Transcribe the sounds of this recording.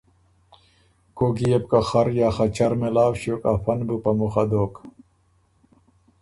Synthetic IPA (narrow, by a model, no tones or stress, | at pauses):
koɡijeb̚kaxɐɾjaːxɐt͡ɕɐɾmelaːwɕoːkafɐnbupɐmuxɐd̪oːk